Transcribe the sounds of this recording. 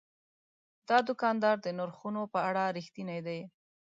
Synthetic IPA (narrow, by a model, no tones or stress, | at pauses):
d̪̥ɑd̪ʊkɑnd̪ɑɾd̪ənʊɾxunopəaɽaɾixt̪inajd̪aj